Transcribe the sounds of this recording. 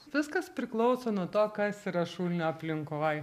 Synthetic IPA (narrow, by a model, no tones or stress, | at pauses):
ʋʲɪskɐspʲɾʲɪklˠɔʊsoːnuɔt̪oːkɐsiːɾɐʃuːlʲnʲoːɐpʲlʲɪŋkoj